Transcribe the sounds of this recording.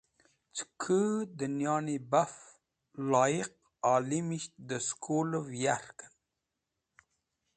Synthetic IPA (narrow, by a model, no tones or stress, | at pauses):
t͡skʰəd̪ənjɑːnibaf | lɑːjiq̚ | ɑːlimiʃt̪d̪əskʰuləvjaɾkə̥n